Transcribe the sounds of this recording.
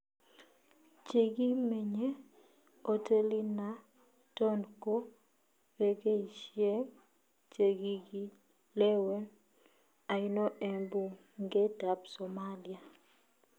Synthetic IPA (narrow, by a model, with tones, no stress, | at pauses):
t͡ʃe˨ɡi˦me˨ɲe˦ | o˦te˦li˦na˦ | tɔ˦nko˦ | we˨ɡe˦i˨ʃje˦ŋ | t͡ʃe˨ɡi˦ɡi˦ | le˦we˦n | a˨i˦nɔ˦ʔe˨mbu˨ | ŋɡe˦ta˨psɔ˨ma˦li˨a˨